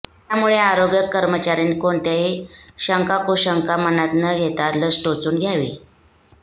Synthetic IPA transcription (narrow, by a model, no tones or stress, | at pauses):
t̪jamuɭeaɾoɡjəkːəɾmət͡ɕaɾinikoɳt̪aɦeɕəŋkakoɕəŋkamənat̪nəɡʱet̪aɾləsʈot͡suːnɡʱjaʋḭː